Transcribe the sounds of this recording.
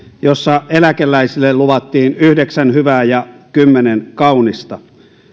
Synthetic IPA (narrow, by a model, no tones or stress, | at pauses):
josːɑelækelːˑæisilːelluʋɑt̪ːiːnyhdeksænhyʋæːjɑkymːenenkɑunist̪ɑ